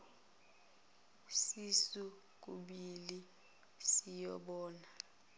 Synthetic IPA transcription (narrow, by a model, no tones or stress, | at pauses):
sisu | k̬ʼuɓili | sijɔɓɔːna